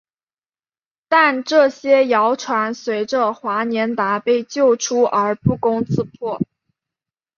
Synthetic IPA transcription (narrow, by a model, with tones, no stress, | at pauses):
t̪a˥˧nʈ͡ʂɤ˥˩ɕjɛ˥jɑ˧˥ʊʈ͡ʂʰwa˧˥nswe˧˥ɪʈ͡ʂə˧xwa˧˥njɛ˧˥nt̪a˧˥pe˥˧ɪt͡ɕjo˥˩ʊʈ͡ʂʰu˥ʔə˞˧˥pu˥˩kʊ˥ŋt͡sʰɹ̩˥˧pʰwɔ˥˩